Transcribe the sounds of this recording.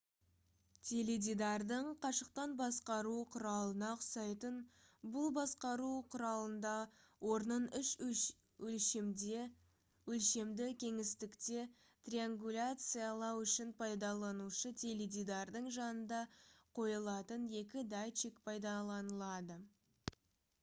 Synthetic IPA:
t̪ʲʰe̞led̪id̪ɑɾd̪əɴqʰɑʃəq̚t̪ɑnbɑsqɑɾuqʰʊɾɑlˠənɑqʰʊ̥sɑjt̪ənbʊlˠbɑsqɑɾuqʰʊɾɑlˠənd̪ɑwo̞ɾnənʏʃ | wɵlʃ | ɵlʃe̞md̪ɪkʲʰe̞ŋɪst̪ɪkt̪e̞ | t̪rʲiaŋɡulʲat̪sɨjalˠɑwʏʃɪnpʰɑjd̪ɑlˠɑnuʃət̪ʲʰe̞led̪ʲid̪ɑrd̪əɴʒɑnənd̪ɑqʰo̞jəlˠɑt̪ənje̞kʲɪd̪ajt͡ʃikpʰɑjd̪ɑlˠɑnəlˠɑd̪ə

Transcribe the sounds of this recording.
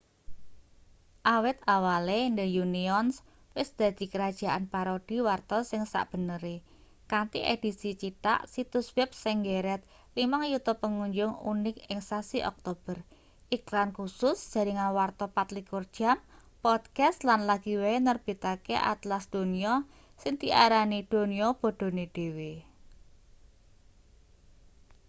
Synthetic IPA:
ʔawɪt̪awalend̪əjuniɔns | wɪsd̪̥ä̤d̪̥i̤kəɾad̥ʒ̥a̤ʔanpaɾod̪̥i̤wart̪ɔsɪŋsa̰ʔb̥ə̤nəɾe | kant̪iʔed̪̥isit͡ʃit̪a̰ʔsit̪uswɛp̚sɪŋɡeɾɛt̪̚ | limaŋjut̪upːəŋuɲd͡ʒʊŋṵnɪkɪŋsasiʔɔ̰k̚t̪ob̥ər | ʔiklankusʊsd̥ʒ̥a̤ɾiŋanwart̪ɔpat̪likurd̥ʒ̥am | pɔd̪̥kast̪lanlaɡ̥iweenərb̥i̤t̪akḛʔa̰t̪lasd̪̥o̤niɔ | sɪŋt̪iʔa̰ɾanid̪̥o̤niɔb̥o̤ɖ̥o̤ned̪̥e̤we

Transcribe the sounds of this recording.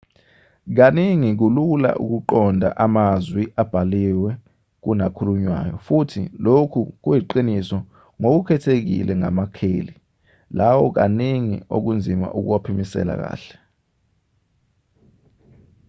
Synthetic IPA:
k̬aniŋik̬ulula̰ʔṵk̬uǃɔndʱa̰ʔamazwiʔab̥ʱaliwɛ | k̬unakʰuluɲwa̰ːjɔfutʰḭlokʰuk̬ujiǃinisɔ | ŋok̬ukʰɛtʰek̬ḭlʔɛŋa̰makʰeːli | lawɔk̬aniŋḭok̬und͡zʱima̰ʔuk̬uwapʰimisɛ̰la̰k̬a̰ːɬɛ̥

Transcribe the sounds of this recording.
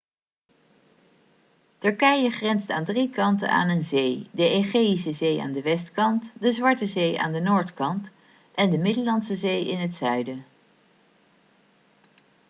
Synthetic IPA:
tɵɹkɛjəχrɛnsta̰ːndrikɑntə̰na̰ːnənzejdəeχejis̬əzeja̰ːndəʋɛstkɑntdəzʋɑɹtəzeja̰ːndənoːɹtkɑnt | ʔɛndəmɪdəlɑnsəzejɪnɦətsœɥdə

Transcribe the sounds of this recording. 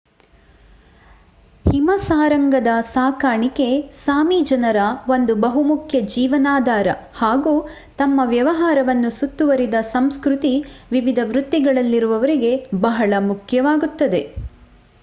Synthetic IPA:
himɐsaːɾɐŋɡɐd̪ɐsaːkaːɳike̞saːmid͡ʒɐnɐɾɐʋo̞nd̪ubɐɦumukʰjɐd͡ʒiːʋɐnaːd̪ʱaːɾɐ̰haːɡuː | t̪ɐmːɐʋjɐʋɐɦaːɾɐʋɐnːusut̪ːuʋɐɾid̪ɐsɐmskɾut̪iʋiʋid̪ʱɐʋɾut̪ːiɡɐɭɐlːiɾuʋɐʋɐɾiɡe̞bɐɦɐɭɐmukʰjɐʋaːɡut̪ːɐd̪e̞

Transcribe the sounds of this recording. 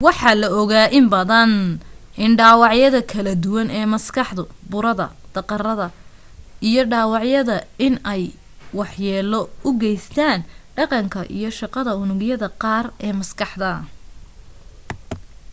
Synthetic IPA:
wɑħɑlɐɔɣaːʔɪmbɐðɐnʔɪnɖɑːwɑʕjɐðɐkʰɐlɐd̪ʊwɐnɛːmɐskʰɑħd̪ʊbʊɾɐðɐ̰d̪̥ɐqɑrɐðɐ | ijɔɖɑːwɑʕjɐðɐɪnɛj | wɑħjɛːlɔʊɡɛjst̪ʰaːnɖɑqɑŋkʰɐ̰ʔḭjɞʃɑqɑðɐʊnʊɣjɐðɐqɑːrɛːmɐskɑħd̪ɐ

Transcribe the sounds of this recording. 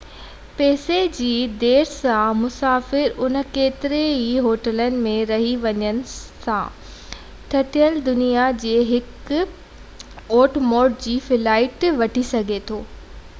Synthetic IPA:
peːsed͡ʑiːd̪eːɾsãmʊsaːfɪɾʊnə̆keːt̪ɪɾeiɦoːʈələnɪ̆mẽɾɐɦiʋɐɲənɪ̆sã̰ | ʈʰɐʈijəld̪ʊnijad͡ʑeːɦɪk | oːʈmoːʈ̚d͡ʑiːfɪlaːɪʈʋɐʈʰisɐɡʱet̪ʰoː

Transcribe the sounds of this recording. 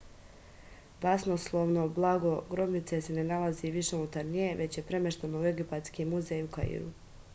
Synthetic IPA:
b̪asnoslˠoʋnoblˠaɡo̞ɡɾo̞bnit̪sese̞ne̞nalaziʋiʃe̞unut̪aɾnije̞ʋʔe̞t͡ɕje̞pɾe̞me̞ʃt̪anoue̞ɡipat̪skimuzejuka̰ḭɾṵ

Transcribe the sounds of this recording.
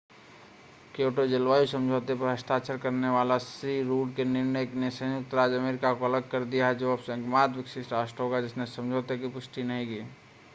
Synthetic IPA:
keːʈod͡ʒɐlʋaːjusə̃md͡ʒʱoːt̪epɐɾɦɐst̪aːt͡ʃʰəɾkɐɾneʋaːlasɾiɾuːɖkenɪɾnəjknesə̃jʊk̚t̪ɾaːd͡ʒɐmeːɾɪkakoɐləɡ̚ʱkɐɾd̪ijaɦɛd͡ʒoɐpsẽkmaːd̪ʋɪksɪʃʈaːsʈɦoːɡad͡ʒɪsnẽsɐ̃md͡ʒʱoːt̪ekipʊsʈinɐɦĩkiː

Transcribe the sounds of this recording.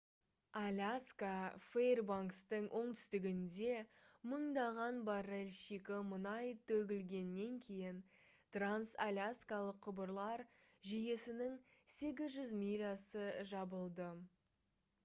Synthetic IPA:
alʲaskaferbaŋkst̪əɴwʔo̞ɴt̪ʰʏ̥st̪ɪɡʲɪnd̪e̞məɴd̪ɑʁɑnbɑɾelʲʃikʲɪmənɑjt̪ʰɵɡʲɪlɡʲe̞nːe̞ŋkʲʰe̞jɪn | t̪ransalʲaskalˠəqʰːʊbəɾlˠɑɾʒije̞sɪnɪŋse̞ɡʲɪzʒʏzmijɾasəʒɑbəlˠd̪ə

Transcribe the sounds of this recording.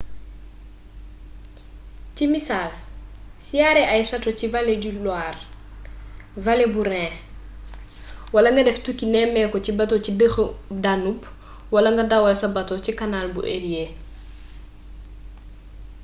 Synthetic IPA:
cimisalsijaɾɛajsɐtocivaleɟulwaːr | valebuɾɛ̃ | wɐlɐŋɡɐdɛftukːinɛmɛːkɔcibɐtocidəxdanub | wɐlɐŋɡɐdawɐlsɐbɐtɔcikanaːlbṵʔeɾje

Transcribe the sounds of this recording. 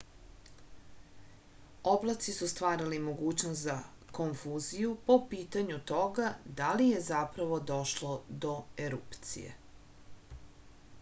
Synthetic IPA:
oblˠat̪sisust̪ʋaːɾalimo̞ɡuːt͡ɕnost̪za | koɱfuːzijupo̞piːt̪aɲut̪o̞ɡad̪alije̞zapɾaʋo̞d̪o̞ʃlod̪o̞eɾupt̪sḭjḛ

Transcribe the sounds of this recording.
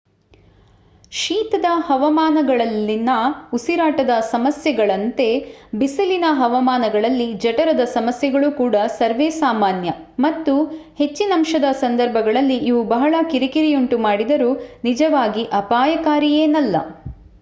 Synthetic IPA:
ʃiːt̪ɐd̪ɐhɐʋɐmaːnɐɡɐɭɐlːinɐusiɾaːʈɐd̪ɐsɐmɐsjɐɡɐɭɐnt̪e̞bisɐlinɐɦɐʋɐmaːnɐɡɐɭɐlːid͡ʒɐʈɐɾɐd̪ɐsɐmɐsjɐɡɐɭukuːɽɐsɐɾʋeːsaːmaːnjɐmɐt̪ːuhe̞t͡ʃːinɐmʃɐd̪ɐsɐnd̪ɐɾbʱɐɡɐɭɐlːiʔiʋubɐɦɐɭɐkiɾikiɾijuɳʈumaːɽid̪ɐɾuːnid͡ʒɐʋaːɡiʔɐpaːjɐkaːɾijeːnɐlːɐ̰

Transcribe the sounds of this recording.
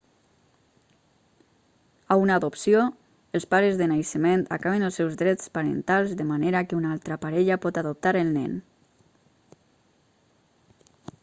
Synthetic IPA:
aunaðopsio | elˠspaɾəzðənajsəment̪a̰kaβ̞enəlˠsɛwzðɾɛt͡spaɾə̰nt̪alˠzðəmaneɾakeunalˠt̪ɾapaɾɛʎapɔt̪aðop̚t̪aɾəlˠnɛ̰n

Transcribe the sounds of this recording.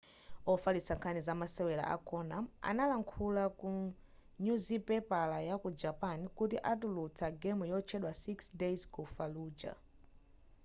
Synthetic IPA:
ɔfalit͡saŋkʰanizamasɛwɛla̰ʔa̰kɔnama̰nalaŋkʰulaku | ɲuzipɛpalajakud͡ʒapanikutiʔat̬ulut͡sʰaɡɛmujɔt͡ʃʰɛɗwasiksdezkufaluːd͡ʒa̰

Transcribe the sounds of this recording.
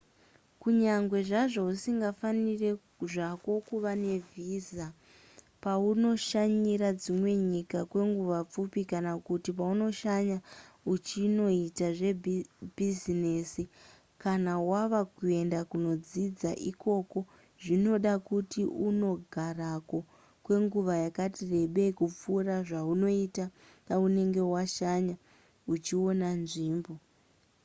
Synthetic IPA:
kuɲaŋɡwe̞ʐaʐousiŋɡafanire̞ | ʐako̞kuʋane̞viːza | pauno̞ʃaɲiɾad͡zimwe̞ɲikakwe̞ŋɡuʋap͡fupikanakutipauno̞ʃaɲaut͡ʃino̞itaʐe̞bʱizineːsi | kanawaʋakue̞ndakuno̞d͡zid͡zaʔiko̞ko̞ | ʐino̞ɗakutiuno̞ɡʱarako̞ | kwe̞ŋɡuʋajakatire̞ɓe̞kup͡fuːraʐauno̞ita | paune̞ŋɡe̞waʃaɲa | ut͡ʃio̞nanʐiːmbo̞

